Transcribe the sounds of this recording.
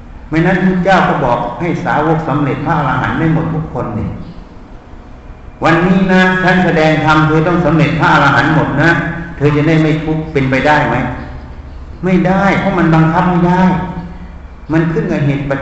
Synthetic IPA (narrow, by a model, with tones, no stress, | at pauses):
ma˧˩jna˦˥npʰu˥˩t̪̚t͡ɕaː˥˩wkɔ˧˩bɔː˨˩k̚ha˧˥˩jsaː˨˦wo˧˥k̚sa˨˦mle˨˩t̪̚pʰaː˦˥ʔa˧laː˧ɦa̰˩˦nda˥˩jmo˨˩t̪̚ʰu˧˥˩kʰːo˧ndi˧˩ | wa˧nːiː˦˥˩na˦˥t͡ɕʰa˦˥˨nsa˧dɛː˧ŋt̪ʰa˧mt̪ʰɤː˧t̪ɔ˥˩ŋsa˨˦mle˨˩t̪̚pʰaː˦˥˩ʔa˧laː˧ɦa˩˦nmo˨˩t̪̚na˦˥t̪ʰɤː˧t͡ɕa˨˩da˥˩jma˥˩jkʰu˦˥˩k̚pe˧npa˧jdaː˥˩jma˦˥j | ma˥˩jdaː˥˩jpʰɔ˦˥ma˧nba˧ŋkʰa˦˥p̚ma˥˩jdaː˥˩j | ma˧nkʰɯ˥˩nka˧nɦeː˨˩t̪̚pa˧